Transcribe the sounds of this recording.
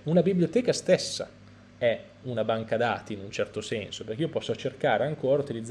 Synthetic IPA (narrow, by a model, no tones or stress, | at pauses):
unabibljot̪ɛːkast̪esːa̰ | ɛ | unabaŋkad̪a̰ːt̪iːnunt͡ʃɛrt̪osɛnsoperkijopɔsːot͡ʃerkaːɾeaŋkoːɾaut̪ilid̪zː